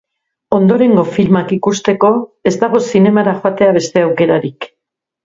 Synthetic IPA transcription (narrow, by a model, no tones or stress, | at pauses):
o̞nd̪o̞ɾe̞ŋɡo̞filmakikust̪e̞ko̞e̞zt̪aɣ̞o̞sine̞maɾaxoat̪e̞aβ̞e̞st̪e̞awke̞ɾaɾik